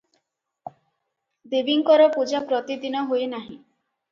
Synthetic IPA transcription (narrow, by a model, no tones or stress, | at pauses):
d̪ebiŋkɔɾɔpud͡ʒapɾɔt̪id̪inɔɦoenaɦḭ̃